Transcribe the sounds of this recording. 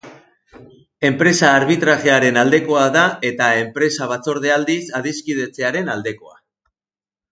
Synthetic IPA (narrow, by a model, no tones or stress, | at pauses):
e̞mpɾe̞saːɾβit̪ɾaʝe̞aɾe̞nald̪e̞ko̞aðae̞t̪ae̞mpɾe̞saβ̞at͡so̞ɾð̞e̞ald̪isaðiskið̞e̞t͡se̞aɾe̞nald̪e̞ko̞̰a̰